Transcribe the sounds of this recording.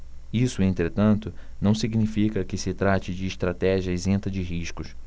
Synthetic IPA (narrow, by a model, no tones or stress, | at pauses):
isʊẽnt̪ɾet̪ɐ̃nt̪ʊnɐ̃w̃siɡnifikɐkɪsɪt̪ɾat͡ʃɪd͡ʒɪːʃt̪ɾat̪ɛʒiɐezẽnt̪ɐd͡ʒɪɦiʃkʊs